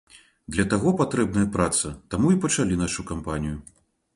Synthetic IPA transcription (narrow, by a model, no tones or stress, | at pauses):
d̪lʲɐt̪aɣɔpat̪ɾɛbnɐjɐpɾat̪sɐt̪amuipɐt͡ʂalʲinaʂukampanʲiju